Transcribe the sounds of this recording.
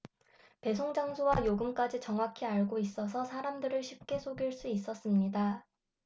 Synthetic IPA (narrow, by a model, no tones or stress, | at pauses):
pe̞s̬ʰoŋd͡ʑaŋsʰowajoɡɯmk͈ad͡ʑit͡ɕʌŋɦwakʰiaɭɡois͈ʌsʰʌsʰaɾamdɯɾɯɭɕʰip̚k͈e̞sʰoɡiɭs͈uis͈ʌs͈ɯmɲida